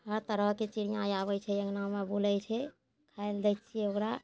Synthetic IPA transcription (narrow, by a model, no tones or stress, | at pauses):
ɦəɾt̪əɾəɦket͡ʃiɽijajaβɛt͡ʃʰɛəɡnamebulɛjt͡ʃʰɛ | kʰaeld̪ɛt̪t͡ʃʰiokɾa